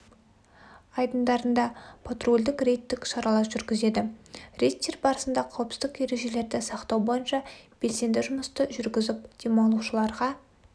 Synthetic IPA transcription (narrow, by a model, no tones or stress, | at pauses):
ɑjd̪ənd̪ɑɾənd̪ɑpʰot̪ro̞lʲd̪ɪkrejt̪ːɪkʃɑɾɑlˠɑɾʒʏɾɡʲɪze̞d̪ɪrʲejt̪ʲːerbɑɾəsənd̪ɑqʰɑwəpsɪ̥zd̪ɪkje̞ɾe̞ʒe̞le̞ɾd̪ɪsɑqt̪ɑwbo̞jənʃɑb̥e̞lse̞nd̪ɪʒʊməst̪əʒʏɾɡʲɪzɪp̚d̪̥emɑlˠuʃəlˠɑɾʁɑ